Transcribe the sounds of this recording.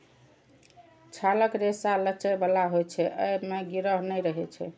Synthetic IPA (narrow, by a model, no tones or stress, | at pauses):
t͡ʃʰaləkɾesalət͡ʃəjbalaɦojt͡ʃʰɛʔəjmeɡiɾəɦnəjɾəɦɛt͡ʃʰɛ̰